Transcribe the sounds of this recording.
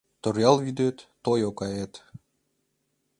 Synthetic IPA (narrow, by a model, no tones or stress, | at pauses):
t̪orjɑlˠvid̪øt̪ː | ojokɑjet̪